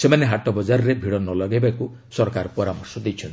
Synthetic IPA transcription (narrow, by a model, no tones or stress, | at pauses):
semaneɦaʈɔbɔd͡ʒaɾɔɾebʱiɽɔnɔlɔɡebaku | sɔɾɔkaɾɔpɔɾamɔɾsɔd̪ejt͡ʃʰɔnt̪